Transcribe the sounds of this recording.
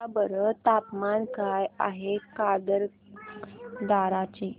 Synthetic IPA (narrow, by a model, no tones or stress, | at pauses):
abəɾət̪apmankaja̰ɦekad̪əɾ | d̪aɾat͡ɕe